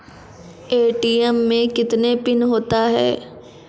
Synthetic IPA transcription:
eːʈiːɛmːẽkɪt̪nepɪnɦoːt̪aɦɛ̰ː

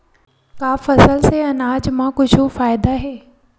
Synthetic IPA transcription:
kaːfɐsəlseɐnaːd͡ʑmãkʊd͡ʑʱofaːɪd̪aɦeː

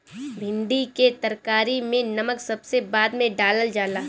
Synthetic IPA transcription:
bʱɪ̃ɳɖiket̪ɐɾkaːɾimẽnɐməksɐbsebaːd̪mẽɖaːləld͡ʒaːlaː

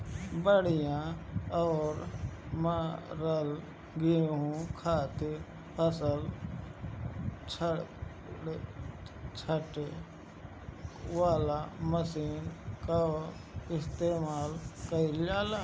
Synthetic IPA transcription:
bəɽ̤ijãɔːɾmãɾəl | ɡiɦũkʰaːt̪i | əsəl | t͡ʃʰə | t͡ʃʰəʈe | waːlaməsiːnka | ɪst̪eːmaːlkəilaːlaː

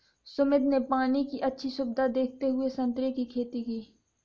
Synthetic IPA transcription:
sʊmɪd̪nepaːnikiʔɐtːʃʰiʃʊb̚d̪ad̪eːk̚ʰt̪eɦʊesɐ̃nt̪ɾekikʰeːt̪ikiː

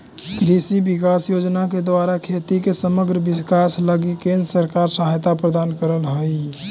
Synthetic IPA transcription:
kɾisibikasjod͡ʒnaked̪ʋaɾakʰet̪ikesəməɡɾəbiskasləɡikẽnd̪ɾəsəɾkaɾsəɦajt̪apɾəd̪ankəɾəlɦəj

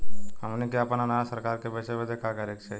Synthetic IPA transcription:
həmnekeɐpnanaasəɾkaːɾkebɛːseped̪eːkʰakɐɾeːkt͡ʃʰe

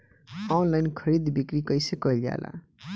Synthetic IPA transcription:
ɔnlajnkʰʌɾid̪bikɾikʌjsekʌlja̰la̰

